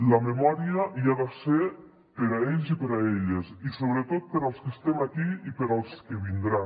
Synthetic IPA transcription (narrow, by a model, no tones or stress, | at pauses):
ləmemɔɾiəiaðase | pəɾaeʎzipəɾaeʎesisoβɾət̪ot̪̚pəɾalˠskəst̪emakiipəɾalˠskəβind̪ɾa